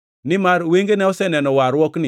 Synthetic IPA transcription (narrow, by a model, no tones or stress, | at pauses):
nimaɾweŋɡenɛɔsɛnɛnɔwaɾwɔkni